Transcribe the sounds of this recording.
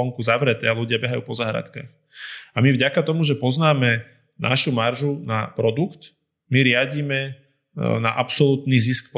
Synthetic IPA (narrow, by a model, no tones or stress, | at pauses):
ɔŋkuzaʋɾɛt̪ɛaluɟɪabɛɦajṵːpɔzaɦɾa̰t̪ka̰x | amivɟakat̪ɔmuʒɛpɔznaːmɛ | nʔa̰ʃumaɾʒunapɾɔd̪ukt̪ | miɾɪaɟimɛ | na̰ʔapsɔluːt̪niːziskp